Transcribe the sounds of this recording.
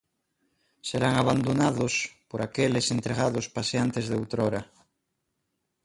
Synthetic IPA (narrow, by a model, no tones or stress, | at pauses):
seɾaŋaβ̞and̪onaðospoɾakelesent̪ɾeɣ̞aðospaseant̪ezðewt̪ɾoɾa